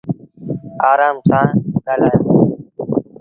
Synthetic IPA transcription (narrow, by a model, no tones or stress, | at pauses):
aːɾaːmsãːɠaːlaːjː